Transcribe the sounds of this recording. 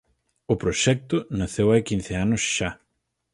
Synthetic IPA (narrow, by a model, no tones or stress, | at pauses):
ʊpɾoʃɛk̚t̪ʊnaθewajkin̟θɪanʊsʃa